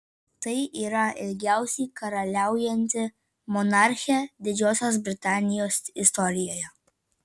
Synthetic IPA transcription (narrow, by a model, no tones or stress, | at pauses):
t̪ɐɪʔiɾaɛlʲɡʲjawsʲikɐɾɐlʲawjɛnʲt̪ʲɪ | mɔnaɾxʲɛd̪ʲɪd͡ʒʲoːsʲɔzbɾʲɪt̪aːnʲijɔsist̪ɔːɾʲijɔjɐ